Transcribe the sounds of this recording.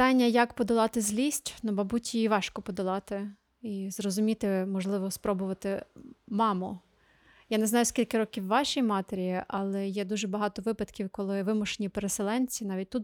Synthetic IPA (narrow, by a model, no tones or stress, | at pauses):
pt̪ɑnʲːɐjɐkpɔd̪ɔlˠɑt̪ɪzʲlʲisʲtʲnubɐbutʲiiʋɑʃkɔpɔd̪ɔlˠɑt̪ɪ | izrɔzʊmʲit̪ɪmɔʒlˠɪʋɔspɾɔbʊʋɐt̪ɪmɑmʊ | janɛznɑjʊsʲkʲilʲkɪɾɔkʲiwːɑʃʲijmɑt̪eɾʲijiʔɑlˠɛjɛd̪uʒɛbɐɦɑt̪ɔʋɪpɐd̪kʲiwkɔlˠɪʋɪmʊʃenʲipeɾeselˠɛnʲt͡sʲinɑʋʲit̚ʲt̪ut̪